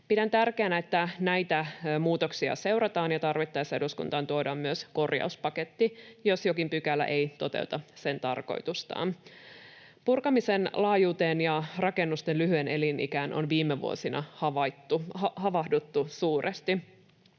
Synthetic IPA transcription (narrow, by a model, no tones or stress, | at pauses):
pidænt̪ærkeænæet̪ːænæjt̪æmuːt̪o̞ksiɑ̰se̞wɾɑt̪ɑːnjɑt̪ɑrʋit̪ːɑjseduskṵnt̪ɑːnt̪uodɑmːyøsko̞rjɑ̰uspɑket̪ːijo̞sjo̞kimpykælːæ̰ʔe̞jt̪o̞t̪e̞̰ut̪ɑse̞nt̪ɑrko̞̰jt̪ust̪ɑ̰ːn | purkɑmise̞nlɑːjuːt̪e̞ːnjɑrɑke̞nːust̪enlyɦyene̞linʔḭkæːnʔo̞̰nʋiːmːeʋṵo̰sinɑ̰hɑʋɑt̪ːuhɑʋɑhdut̪ːusuːrʔest̪i